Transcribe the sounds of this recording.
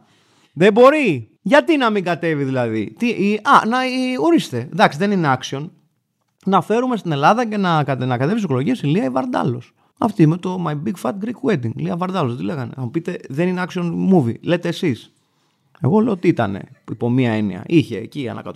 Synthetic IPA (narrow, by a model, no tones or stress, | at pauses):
ðebo̞ɾi | ʝɐt̪inɐmiŋɡɐt̪e̞viðilɐðit̪iiɐnɐio̞ɾist̪ed̪ɐksiðe̞nineɐksio̞n | nɐfe̞ɾume̞st̪ine̞lɐðɐce̞nɐkɐnɐkɐt̪e̞visikolo̞ʝiesiliɐivɐɾd̪ɐ̰lo̞s | ɐ̰ft̪imet̪o̞mɐjbiɡfɐt̪̚ɡɾikwed̪iŋliɐvɐɾd̪ɐloðet̪ile̞ɣɐnḛɐmupit̪e̞ðe̞nineɐksio̞nmuvḭle̞t̪e̞ːsis | e̞̰ɣo̞leoot̪iit̪ɐ̰ne̞̰ipo̞miɐe̞nḭɐ̰ʔiçe̞ːciɐ̰nʔɐ̰kɐ̰t̪